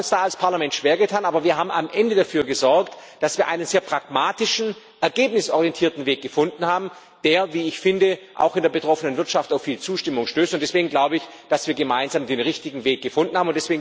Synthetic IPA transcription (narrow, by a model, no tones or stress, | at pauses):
ʊnsd̥aːalspʰaɐlamɛntʃv̥eːɐɡətʰaːnʔaːbɐviːɐɦaːbm̩a̰mʔɛndədafyːɐɡəzɔɐktd̥asv̥iːɐʔa̰ɪnənzeːɐpʁ̥akmaːtɪʃn̩ | ʔɛɐɡeːp̚nɪsʔɔʁijɛntʰiːɐtn̩veːk̚ɡ̥əfʊndn̩haːbm̩ | d̥eːɐviːɪçfɪndəʔa̰ʊxɪndeːɐbətʁ̥ɔfənənvɪɐtʃaftaʊfːiːlt͡suːʃtɪmʊŋʃtøːstʊntd̥ɛsv̥eːɡŋ̩ɡlaʊbəɪç | d̥asv̥iːɐɡəmaɪnzaːmdeːnʁɪçtɪɡŋ̩veːk̚ɡ̥əfʊndn̩haːbmʊnd̥ɛsv̥eːɡŋ̩